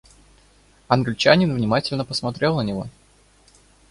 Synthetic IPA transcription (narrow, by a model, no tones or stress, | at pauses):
ɐnɡlʲɪt͡ɕænʲɪnvnʲɪmatʲɪlʲnəpəsmɐt̪ɾʲe̞lˠnənʲɪvo̞̰